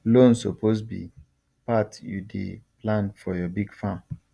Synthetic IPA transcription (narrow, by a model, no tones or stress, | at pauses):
lõnsoposbḭ | patjṵdḛplãnfɔjɔbiɡfãm